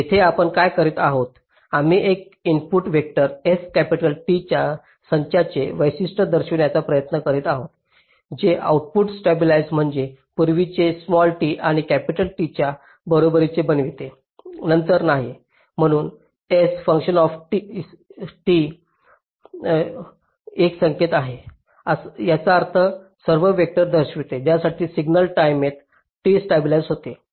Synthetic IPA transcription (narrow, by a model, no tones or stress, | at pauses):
jet̪ʰeapəɳkajkəɾiːt̪aɦot̪ | am̤iːʔek̚inpuʈʋek̚ʈəɾeskæpiʈəlʈit͡ɕja | səɲt͡ɕjat͡seʋəjsisʈəd̪əɾɕiʋnjat͡sapɾəjət̪nəkəɾiːt̪aɦot̪̚ | d͡ʑeʔa̰uʈ̚puʈsʈebilajzm̤əɳd͡zepuɾʋit͡sesmɔlʈiʔaɽ̃ikæpiʈəlʈit͡ɕja | bəɾobəɾit͡sebənʋit̪e | nənt̪əɾnaɦi | m̤əɽ̃uːn | esfəŋkɕənɔfʈi | ʈi | eksəŋket̪aɦe | asjat͡saːɾt̪ʰə | səɾʋəʋek̚ʈəɾd̪əɾɕʋit̪ed͡ʑjasaʈiːsiɡnəlʈajmet̪ | ʈisʈebilajzɦot̪e